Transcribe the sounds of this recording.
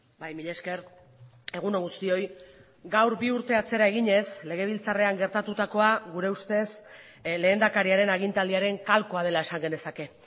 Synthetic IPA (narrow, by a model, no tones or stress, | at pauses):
bajmiʎe̞ske̞ɾ | e̞ɣ̞unoŋɣust̪io̞j | ɡawɾbiuɾt̪e̞at͡se̞ɾaeɣ̞iɲe̞sle̞ɣ̞e̞β̞ilt͡sare̞aŋɡe̞ɾt̪at̪ut̪ako̞aɣuɾe̞ust̪e̞s | le̞ːnd̪akaɾiaɾe̞naɣint̪ald̪iaɾe̞ŋkalko̞að̞e̞lae̞saŋɡene̞sake̞